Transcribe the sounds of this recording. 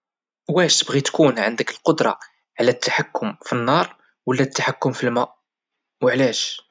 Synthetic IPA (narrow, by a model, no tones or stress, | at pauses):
wæʃt̪əbɣit̪kunʕənd̪əkəlqod̪ɾˤɑ̰ | ʕlæt̪ʰːaħakːʊmfinːɑɾˤ | wəlːæt̪ːaħakːʊmfilmæʔ | wəʕlæʃ